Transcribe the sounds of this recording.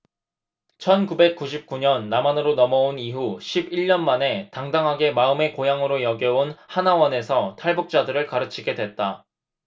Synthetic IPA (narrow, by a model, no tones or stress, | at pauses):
t͡ɕʰʌnkube̞k̚k͈uɕʰip̚k͈uɲʌnːamanɯɾonʌmʌoniɦuɕʰibiɭɲʌnmane̞taŋdaŋɦaɡe̞maɯme̞kojaŋɯɾojʌɡjʌonhanawʌne̞sʰʌtʰaɭbuk̚t͡ɕ͈adɯɾɯɭkaɾɯt͡ɕʰiɡe̞dwe̞t̚t͈a